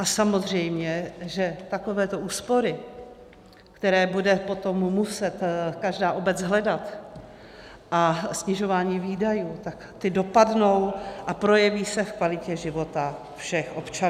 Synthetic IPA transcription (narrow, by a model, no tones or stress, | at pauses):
ʔasamo̞zrɛjmɲɛʒɛt̪ako̞vɛːt̪o̞ʔuːspo̞ɾɪ | kt̪ɛɾɛːbudɛpo̞t̪o̞mːusɛt̪kaʒdaːʔo̞bɛt͡sɦlɛdat̪ | ʔasɲɪʒo̞vaːɲiːviːdajuːt̪akt̪ɪdo̞padno̞wʔapɾo̞jɛviːsɛfkvalɪcɛʒɪvo̞t̪a | fʃɛxʔo̞pt͡ʃa